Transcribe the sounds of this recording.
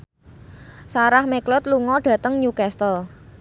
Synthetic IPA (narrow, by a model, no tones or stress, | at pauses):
saɾahmeklɔt̪luŋɔɖ̥ä̤t̪əŋɲukɛst̪əl